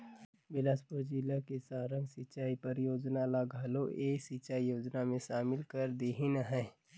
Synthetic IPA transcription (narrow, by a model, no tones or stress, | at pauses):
bɪlaspʊɾd͡ʒilakesaːɾə̃ŋɡsɪt͡ʃaːipɐɾjoːd͡ʒnalaɡaloeːsɪt͡ʃaːijoːd͡ʒnamẽʃaːmɪlkəɾd̪eːɦinaɦɛ̃ː